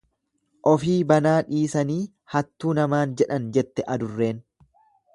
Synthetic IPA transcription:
ʔɔfiːbɐnaːᶑiːsɐniː | hɐt̪ːuːnɐmaːnd͡ʒɛᶑɐnd͡ʒɛt̪ːɛʔɐd̪ʊrːe̞ːn

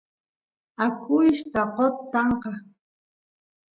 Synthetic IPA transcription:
akʊjʃt̪aqot̪ːɑɴqɑ

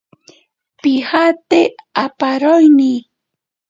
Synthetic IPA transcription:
pɪhat̪eapaɾojni

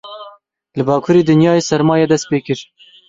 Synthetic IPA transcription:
lɨbɑːkʰuːɾiːd̪ɨnjɑːjeːsɛɾmɑːjɛd̪ɛst̪̚peːkɨɾ

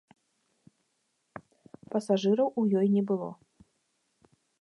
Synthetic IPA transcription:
pɐsaʐɨɾɐwujɔjnʲɛbɨlˠɔ̰

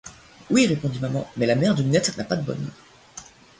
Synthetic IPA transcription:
wiʁepɔ̃d̪imamɑ̰̃mɛlamɛʁd̪ynɛt̪χnapad̪əbɔ̰n

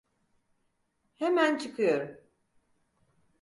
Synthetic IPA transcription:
hemænt͡ʃʰɯkʰɯjo̞ɾum

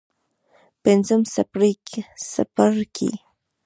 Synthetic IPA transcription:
pensamsapɾijkʰɪsa̰paɾkɪ̰

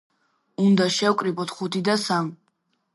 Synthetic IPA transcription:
und̪aʃɛwkʼɾibɔt̪ʰχut̪ʰid̪asam

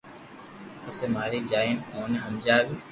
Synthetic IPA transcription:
əseːmaːɾiːd͡ʒaːɪnoːneɦəmd͡ʒaːɡiː

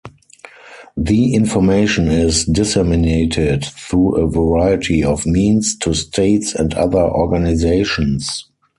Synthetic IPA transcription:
ðiɪ̃nfɔmeɪʃɔ̃nɪzdɪsɛmɪneɪtʰɪdθɹuːʔəvəɹaɪɪtʰiɔfmĩːnstʰustʰeɪtsɛ̃nda̰ðə˞ʔɔ̰ɡanɪzeɪʃɔ̃ns

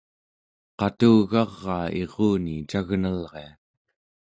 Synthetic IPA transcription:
qɑt̪uːɣɑʁːɑːeʁuːnit͡ʃaɣnalʁea

